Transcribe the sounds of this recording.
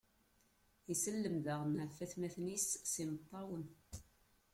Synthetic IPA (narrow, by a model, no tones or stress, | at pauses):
isəlːəmðəʁnʕfːæθmæθnisːimət̪ˤːɑwən